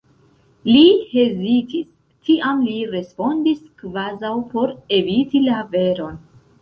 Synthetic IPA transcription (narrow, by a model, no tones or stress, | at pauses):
lihe̞zitis | tʰiʔamliɾe̞spo̞ndiskvazawpo̞ɾe̞vitilave̞ɾo̞n